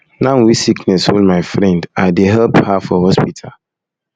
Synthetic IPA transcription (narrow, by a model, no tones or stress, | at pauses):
nãnwisiknɛsholmaɪfɹɛ̃ndadeɦɛlphafɔhɔspitʰa̰l